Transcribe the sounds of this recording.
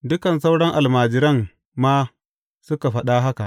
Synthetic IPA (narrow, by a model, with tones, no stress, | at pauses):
dʊ˦kɐ˨nsa˦wɽɐ˦ŋʔa˨lmaː˨d͡ʒɪ˨ɾɐ˦ŋ | maː˦ | sʊ˦ka˨ɸɐ˦ɗa˦ɦa˦ka˨ʔ